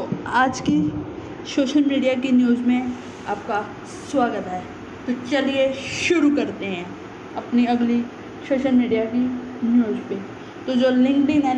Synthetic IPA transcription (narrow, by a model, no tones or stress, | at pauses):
oaːd͡ʒki | soːʃəlmiːɖijak̬injuːzmẽ | aːp̚ka | swaːɡət̪ɦɛː | t̪ot͡ʃɐlieʃʊɾukɐɾt̪eɦɛ̃ | ɐpniɐɡli | soːʃəlmiːɖijaki | njuːzpẽ | t̪od͡ʒoːlɪ̃ŋɡɖɪ̃ŋɡɦɛ